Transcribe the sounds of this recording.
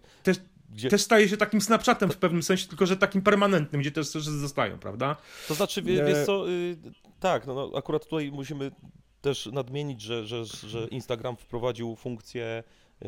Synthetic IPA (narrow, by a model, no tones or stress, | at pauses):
t̪ɛʂ | ɡd͡ʑɛt̪ɛʂst̪ajɛɕ̬ɛt̪akʲimsnapʂat̪ɛmfpɛvnɘmsɛ̃ɕɛt̪ɘlkɔʐɛt̪akʲimpɛɾmanɛnt̪nɘmɡd͡ʑɛt̪ɛʂsɛʂzɔst̪a̰jɔ̰̃w̃pɾa̰vd̪at̪ɔznat͡ʂɘvʲvʲjɛɔ | t̪aknnɔ̰a̰kuɾat̪ːut̪ajmuɕimɘ | t̪ɛʂnad̪mʲjeɲid͡ʑʐɛʐɛʐɛʔinst̪aɡɾamfpɾɔvad͡ʑiwfuŋkt̪sʲjɛ